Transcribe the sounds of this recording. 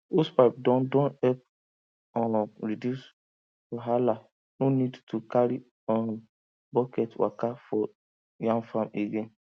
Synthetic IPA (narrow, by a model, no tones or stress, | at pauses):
ospaɪp̚dɔ̃ndɔ̃nɛp̚ | ɔɾidjus | oɦala | nonidtukaɾi | ɔ̃n | bɔkɛtwa̰kafɔ | jãŋfameɡẽn